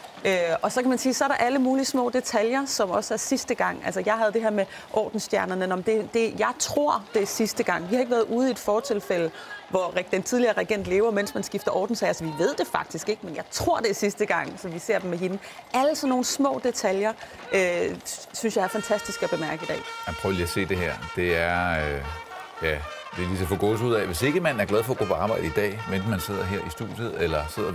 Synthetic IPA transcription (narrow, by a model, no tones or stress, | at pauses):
øɒ̽sɒ̽kʰæmænsiːsɒ̽æɐɾɑ̈ʔæləmuːlismɔ̰̽ːd̥e̝t͡sʰæljɐsɒ̽mɒ̽səæɐsisd̥əɡ̥ɑ̈ŋ̰ælsɐjɑ̈ɪɦæð̞̩ˠd̥e̝ɦeɐ̰me | ʔɒ̰ːd̥n̩sd̥jæɐnɐnənɒ̽md̥e̝d̥e̝jɑ̈ɪt͡sʰʁo̝ɐ̰d̥e̝sisd̥əɡ̥ɑ̈ŋ̰ʋihɑ̈e̝ɡ̥ʋæːɐðˠuːð̞̩ˠied̥fɒːt͡sʰe̝lfel̰ə | ʋɒʁd̥ent͡sʰið̞ˠliɐːʁeɡ̥en̰d̥le̝ːʊɐmen̰smænsɡ̥ifd̥ɐʔɒ̰ːd̥n̩seɪælsɒʋiʋe̝ð̞̰ˠd̥e̝fɑ̈ɡ̥̚d̥isɡ̥e̝ɡ̥əmenjɑ̈ɪt͡sʰʁo̝ɐ̰d̥e̝sisd̥əɡ̥ɑ̈ŋ̰sɒ̽ʋise̝ɐ̰d̥mːeɦe̝nə | ʔæləsɒ̽nːo̝ːn̩smɔ̰̽ːd̥e̝t͡sʰæljɐ | øsynsjɑ̈ɪæɐfænt͡sʰæsd̥isɡ̥æb̥e̝mæɐɡ̥əid̥ɛ̰ːæpʰʁœʊəliæse̝̰ːd̥e̝hæɐ̰d̥e̝æɐɐø | jæ | d̥e̝lis̬ɒfɒɡ̥ɔ̰ːsuð̰ˠɛʋe̝se̝ɡ̥əmænæɐ̥lɛð̞ˠfɒ̽ɐɡ̥o̰ːpʰɒɑ̈ːb̥ɑ̈ɪɾ̥əid̥ɛ̰ːmen̰smænse̝ð̞̰ˠɐɦeɐ̰isd̥ṵðˠjəð̩ˠelɐse̝ð̰ˠɐ